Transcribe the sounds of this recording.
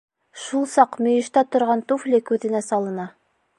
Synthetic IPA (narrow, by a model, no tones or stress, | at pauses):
ʃulˠsɑqmɵ̆jɘ̆ʃt̪æt̪ŏɾʁɑnt̪uflʲɘkʉðɘ̆næsɑlˠɤ̆nɑ